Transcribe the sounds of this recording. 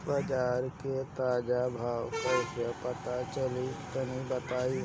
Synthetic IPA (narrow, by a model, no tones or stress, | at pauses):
bəd͡ʒaːɾket̪aːd͡ʒabʱaːwpəɾʃəpət̪at͡ʃəlik̪ənĩbət̪aːi